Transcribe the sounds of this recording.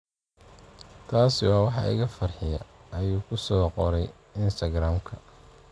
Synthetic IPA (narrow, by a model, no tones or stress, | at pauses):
t̪ʰaːsɪwɑːwɑħɑ̰ʔɪ̰ɣɐfɐrħɪjɐ̰ɐjuːkʰʊsɔːqɔɾɛj | ɪnst̪ʰɐɡɾaːmkʰɐ